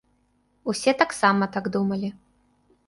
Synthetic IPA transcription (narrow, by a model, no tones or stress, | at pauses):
usʲɛt̪aksamɐt̪aɡd̪umɐlʲi